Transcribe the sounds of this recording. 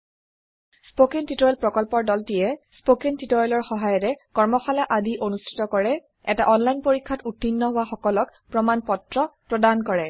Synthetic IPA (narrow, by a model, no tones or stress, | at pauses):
spokentitɔɹɛlpɹɔkɔlpɔɹdɔltijɛspokentitɔɹɛlɔɹxɔɦajɔtɛkɔɹmɔxalaʔadiʔonustʰi̥tɔkɔɹɛ | ɛtaʔɔnlajnpoɹikʰːatutːinːɔɦʊwaxɔkɔlɔkpɹɔmanpɔtɹɔpɹɔdankɔɹɛ